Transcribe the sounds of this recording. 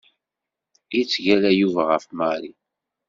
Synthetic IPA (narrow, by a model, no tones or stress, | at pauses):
it͡sːʝælæjuvaʁəfmæɾi